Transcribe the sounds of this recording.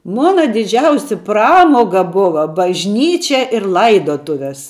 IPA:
ˈmoːnɐ dʲɪˈd͡ʒʲɛʊsʲɪ ˈprɑːmoːɡɐ ˈbʊʋɐ bɐʒʲˈnʲiːt͡ʃʲɛ ɪr ˈlˠɐɪdoːtʊʋʲɛs

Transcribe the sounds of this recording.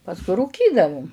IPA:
pɐsˈkʊɪ ruːˈkʲiːdɐʋʊm

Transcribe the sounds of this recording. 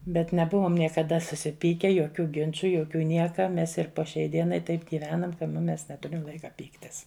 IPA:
bʲɛt nʲɛˈbʊʋoːm nʲiɛkɐˈdɐ sʊsʲɪˈpʲiːkʲɛ joːˈkʲuː ˈɡʲɪnt͡ʃʊ joːˈkʲuː ˈnʲiɛkɐ ˈmʲɛs ɪr poː ʃʲɛɪ ˈdʲiɛnɐɪ ˈtɐɪp ɡʲɪˈʋʲæːnɐm kɐ nʊ ˈmʲɛs nʲɛˈtʊrʲɪm ˈlˠɐɪkɐ ˈpʲiːktʲɪs

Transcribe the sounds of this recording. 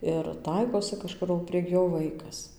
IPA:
ɪr ˈtɐɪkoːsʲɪ kɐˈʃkʊr oː pʲrʲiɛk ˈjoː ˈʋɐɪkɐs

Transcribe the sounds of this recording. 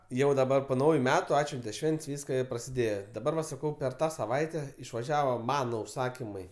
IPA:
jɛʊ dɐˈbɐr poː ˈnɐʊjʊ ˈmʲæːtʊ ˈɑːtʲʃʲʋʲɛnʲtʲɛ ˈʃʲʋʲɛnʲtʲsʲ ˈʋʲiːskɐ ɪ prɐsʲɪˈdʲeːjɛ dɐˈbɐr ʋɐ sɐˈkɐʊ pʲɛr ˈtɑː sɐˈʋɐɪtʲɛ ɪʃʋɐˈʒʲæːʋoː ˈmɑːnoː ʊʃˈsɑːkʲɪmɐɪ

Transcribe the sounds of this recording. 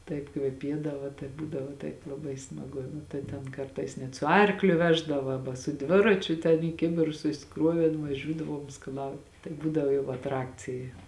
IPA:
ˈtɐɪp kʋʲɛˈpʲiɛdɐʋɐ tɐɪ ˈbuːdɐʋoː ˈtɐɪp lˠɐˈbɐɪ smɐˈɡʊ ˈnʊ tɐɪ tʲɛn ˈkɐrtɐɪs nʲɛt sʊ ˈɐrklʲʊ ˈʋʲæːʒdɐʋɐ ˈɑːbɐ sʊ ˈdʲʋʲɪrɐt͡ʃʲʊ tʲɛn iː ˈkʲɪbʲɪrʊs sʊsʲɪˈkruɔʋʲeːn ʋɐˈʒʲuːdɐʋuɔm skɐˈlˠɐʊt tɐɪ ˈbuːdɐʋoː jɛʊ ɐtˈrɑːkt͡sʲɪjɛ

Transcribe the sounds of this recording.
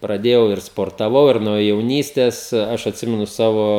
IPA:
prɐˈdʲeːjɛʊ ɪr spoːrtɐˈʋɐʊ ɪr nuɔ jɛʊˈnʲiːsʲtʲɛs ˈɐʃ ɐtʲˈsʲɪmʲɛnʊ ˈsɑːʋoː

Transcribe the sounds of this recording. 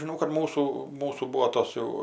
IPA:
ʒʲɪˈnɐʊ kɐt ˈmuːsuː ˈmuːsuː ˈbuːoː ˈtoːs jɛʊ

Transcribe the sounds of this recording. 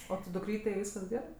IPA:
oː tʲɪ dʊˈkrʲiːtʲɛɪ ˈʋʲiːskɐs ˈɡʲæːrɜ

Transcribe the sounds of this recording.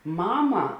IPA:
ˈmɑːmɐ

